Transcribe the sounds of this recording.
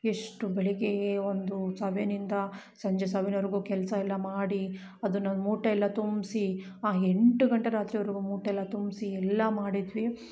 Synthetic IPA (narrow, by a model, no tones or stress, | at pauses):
eʂʈubeɭiɡeeond̪usɐbenind̪ɐ | sɐɲd͡ʒesɐʋenɐʋɾiɡuːkɛlɐsɐɛlːɐmaːɽi | ɐd̪unːɐmuːʈɐɛlːɐt̪umsiaːeɳʈuɡɐɳʈeɾaːt̪ɾijɐʋɐɾiɡumuːʈɐɛlːɐt̪umsiɛlːɐmaːɽid̪ʋi